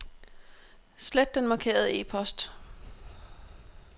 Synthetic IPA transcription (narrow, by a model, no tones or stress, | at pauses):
sled̥ːenmɑ̈kʰe̝̰ːɐð̞̩ˠəe̝̰ːpʰɒ̽sd̥